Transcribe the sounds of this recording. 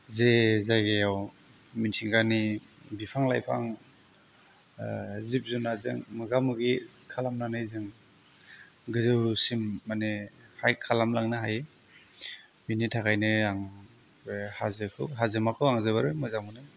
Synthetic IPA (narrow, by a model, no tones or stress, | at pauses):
zezajɡejaw | mintʰiŋɡani | bipʰaŋla̰jpʰaŋ | zip̚zunazɯŋmɯɡamuɡi | kʰalamlanajzɯŋ | ɡɯzɯwɾusimːanehajkʰalamlaŋnɯɦaje | binitʰakajnɯaŋ | hazɯkʰɯ̰wɦazɯmakʰɯwaŋzɯbaɾɯjmɯzamunɯ